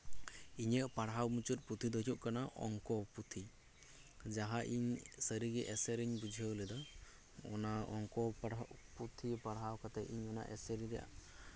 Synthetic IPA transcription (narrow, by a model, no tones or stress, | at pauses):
iɲəʔpaɽɦawmut͡ʃut̪̚put̪ʰid̪ɔɦʰuʔkanaʔɔ̰ŋkɔput̪ʰi | d͡ʒaɦaʔiɲsəɾiɡɛʔɛsɛɾiɲbud͡ʒʱiəwlɛd̪ɔ | ɔ̰naɔŋkɔput̪ʰipaɽɦawkat̪ɛʔiɲɔna̰ʔɛ̰sɛɾiɾɛjʔa̰